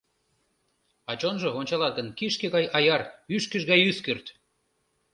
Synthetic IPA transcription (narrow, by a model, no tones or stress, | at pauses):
ɑt͡ɕonʒɤ̆onʲt͡ɕɑlɑt̪̚ɡənkiʃkeɣɑjɑjɑryʃkəʒɣɑjyskørt̪